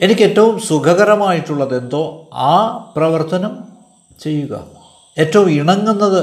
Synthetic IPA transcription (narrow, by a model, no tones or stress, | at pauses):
e̞nikʲːe̞tːɐʋumsuɡʱɐɣɐɾɐmaːjiʈːuɭːɐðe̞nd̪o̞ːaːprɐʋɐrt̪ɐnɐm | t͡ɕe̞jːuɣɐ̰ | e̞tːɐʋumiɳɐŋːunːɐðɨ